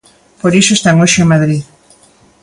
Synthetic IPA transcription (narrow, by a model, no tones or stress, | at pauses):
poɾisoest̪aŋoʃeemaðɾið